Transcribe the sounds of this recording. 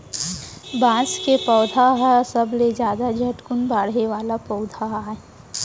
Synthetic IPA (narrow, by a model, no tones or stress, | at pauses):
bãːskepɔːd̪ʱaɦasəbled͡ʒjaːd̪ad͡ʒʱɐʈkʊnbaːɽɦeʋaːlapɔːʊd̪ʱaɦaɛ